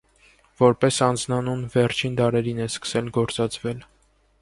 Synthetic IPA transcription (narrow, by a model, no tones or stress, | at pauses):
vɔɾpɛsɑnd͡znɑnunvɛɾt͡ʃʰind̪ɑɾɛɾinɛskə̥sɛlɡɔɾt͡sɑt͡sʰvɛl